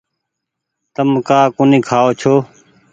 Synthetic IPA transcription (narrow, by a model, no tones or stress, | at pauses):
t̪əmkaːkʊnĩːkʰaːoːt͡ʃʰoː